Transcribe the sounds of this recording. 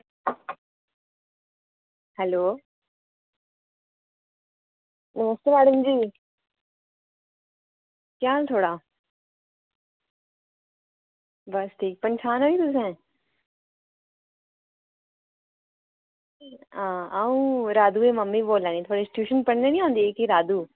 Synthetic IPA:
hɛloː | nɐməst̪jemaːɽəmd͡ʑiː | kjaːlt̪ʰoːɽa | bɐst̪ʰiːkpɐ̃nt͡ʃʰaːnait̪ʊs̬ɦɛ̃ː | ãːaːũɾaːd̪uemɐmːiboːlãːnĩt̪ʰoːɽesɪ̥ʈjuːʃənpɐɽnenĩãːnd̪ieːkeɾaːd̪uː

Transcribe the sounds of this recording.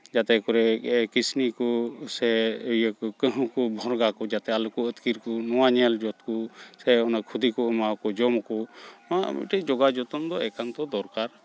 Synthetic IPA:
d͡ʒat̪ɛkɔɾɛkisnikusɛəjəkɔkəɦũkubʱɔɾɡakud͡ʒat̪ɛalukuət̪kiɾkɔnɔwaɲɛld͡ʒɔt̪kusɛɔnakʰud̪ikɔəmakɔd͡ʒɔmɔkuɔnaʔa̰mḭʈɛd͡ʒɔɡad͡ʒɔt̪ɔnd̪ɔɛkant̪ɔd̪ɔɾkaɾ

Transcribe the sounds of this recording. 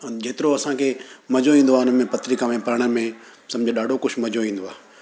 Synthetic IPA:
d͡ʑeːt̪ɪɾoɐsãkʰemɐd͡ʑoĩːn̆d̪oaːʊnəmẽpɐt̪ɾɪkamẽpɐɾɽ̃ə̆mẽ | sɐ̃md͡ʑʱoɗaːɖʱokʊʃʰmɐd͡ʑoʋĩːn̆d̪oaː

